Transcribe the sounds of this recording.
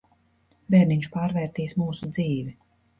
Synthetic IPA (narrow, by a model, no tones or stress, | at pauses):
bɛːɾniɲt͡ʃpaːɾvɛːɾt̪iːsmuːsud̪ziːvi